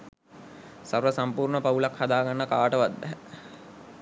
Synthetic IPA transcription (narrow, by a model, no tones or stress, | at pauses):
sarʋəsampuːrɳəpaulakhad̪aːɡanːəkaːʈəʋad̪ːɛɦ